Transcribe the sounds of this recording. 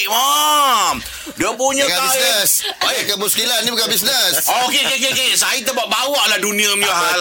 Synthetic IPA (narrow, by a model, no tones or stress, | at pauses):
ʔmam | diəpuɲaaaiəsoekəmuskilannibukanbisnəsokekekekesait̪əbaʔbawaʔladuniəmiaɦa